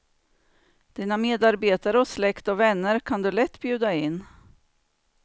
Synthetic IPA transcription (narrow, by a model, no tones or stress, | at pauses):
d̪̥iːnameːd̪aɾbeːt̪aɾəɔslɛkt̪ɔvɛnːəɾkʰand̪ɵlɛt̪ːbjʉ̟ːd̪aɪnː